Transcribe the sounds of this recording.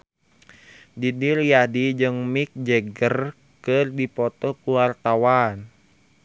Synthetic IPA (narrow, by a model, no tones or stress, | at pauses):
didirjadid͡ʒɨŋmik̚d͡ʒɛɡər | kɨrdipɔt̪ɔkuwart̪awan